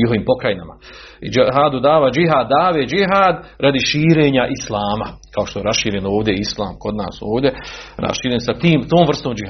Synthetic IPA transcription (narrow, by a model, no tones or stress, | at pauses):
iɦo̞ʋiːmpo̞kɾajnama̰ | id͡ʒɦaːd̪ud̪aːʋad͡ʒiɦaːd̪ːaːʋeːd͡ʒiɦaːd̪ɾad̪iʃiːɾe̞ːɲaʔislˠaːmakao̞ʃt̪oe̞ɾasʃiːɾje̞no̞ːʋd̪ʲe̞islˠaːmko̞d̪na̰ːso̞ːʋd̪ʲjeɾa̰sʃiːɾjensat̪iːmt̪oːmvr̩st̪oːmd͡ʒi